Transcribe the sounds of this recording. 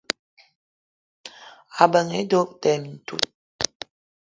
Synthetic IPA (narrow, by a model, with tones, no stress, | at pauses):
a˨bə˨ŋe˨˦do˦k̚tɛ˨mi˨n̩˨tṵ˦˨t̚